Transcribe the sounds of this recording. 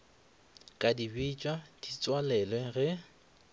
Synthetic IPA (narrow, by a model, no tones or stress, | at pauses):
kʼadibit͡ʃʼwad̥it͡sʼwalɛlwɛɣɛ